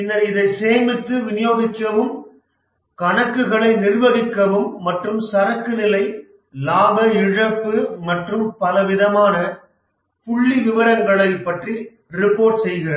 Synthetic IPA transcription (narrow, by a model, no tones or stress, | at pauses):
ɪnːɐɪðɐɪseːmɪt̪ːɯʋɪnɪjoːɣɪkːɐʋɯm | kɐɳɐkːɯɣɐɭɐɪnɪrʋɐɣɪkːɐʋɯmːɐʈrɯmsɐɾɐkːɯnɪlɐɪ | laːbɐɪɻɐpːɯmɐʈrɯmpɐlɐʋɪðɐmaːnɐ | pʊɭːiʋɪʋɐɾɐŋɡɐɭɐɪpːɐʈri | ɾɪpːoːɾʈsɛjɣɪrɐ